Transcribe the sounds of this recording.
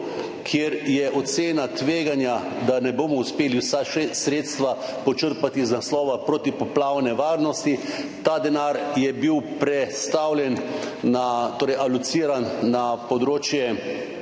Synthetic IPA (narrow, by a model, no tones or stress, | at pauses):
kʰjeɾjɛʔɔt̪seːnat̪ʋeːɡanja | d̪anɛboːmɔuspeːliwsasɾeːt̪st̪ʋa | pɔt͡ʃəɾpat̪iznaslɔːʋapɾot̪ipɔplaːwnɛʋaːɾnɔst̪it̪aːd̪ɛnaɾjɛbiwpɾɛt̪st̪awljɛnː | at̪oːɾɛjʔalut̪siːɾanːapɔd̪ɾoːt͡ʃjɛ